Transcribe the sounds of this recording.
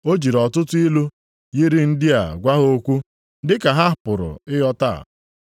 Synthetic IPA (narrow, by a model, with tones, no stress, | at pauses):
o˦d͡ʒi˨ɾɔ˨tʊ˦tʊ˦i˦lu˦ | ji˦ɾi˦n̩˦dɪ˦a̰˨ɡʷa˦ɦo˦kʷu˦ | dɪ˦ka˨ɦa˦pʊ˨ɾʊ̰˨ɪ˦jɔ˦ta̰˦˨